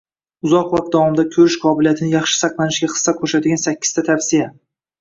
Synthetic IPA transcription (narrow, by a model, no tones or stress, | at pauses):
ʊzɒqvˠat̪̚d̪ɒwɒmɪd̪akʲʰɵɾɪʃqʰɒbɪlijat̪ʰɪnɪjɑχʃɪ̥sɑqlˠanɪʃɡʲaχɨ̥sːakʰɵɾʃat̪ɪɡʲansakʲːɪ̥z̥t̪ʰat̪ʰafsija